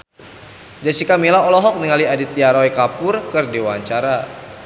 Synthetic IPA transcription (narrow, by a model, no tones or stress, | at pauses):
d͡ʒasikamilaɔlɔɦɔk̚niŋaliadit̪iaɾɔikapʊrkərdewaɲt͡ʃaɾa